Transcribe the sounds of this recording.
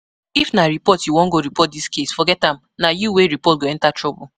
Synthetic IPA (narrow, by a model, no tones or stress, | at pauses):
ifnaɹipɔtjuwɔ̃ŋɡoɾipɔt̚diskesfɔɡɛtãm | najuweɾipɔt̚ɡoɛ̃ntatɹɔbʊ